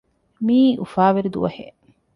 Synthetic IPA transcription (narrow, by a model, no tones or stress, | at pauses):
miːʔufaːʋeɾid̪ṵʋɐ̰hḛ